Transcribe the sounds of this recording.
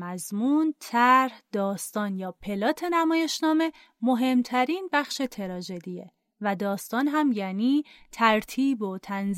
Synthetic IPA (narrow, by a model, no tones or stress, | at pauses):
mæzmuːnt̪ʰæɾhd̪̥ɒːst̪ɒːnjɒːpʰe̞lɒːt̪ʰe̞næmɒːje̞ʃnɒːme̞ | mo̞ɦe̞mt̪ʰæɾiːnbæxʃe̞t̪ʰe̞ɾɒːd͡ʒe̞d̪ijḛ | væd̪ɒːst̪ɒːnɦæmjæniːt̪ʰæɾt̪ʰiːbo̞t̪ʰænz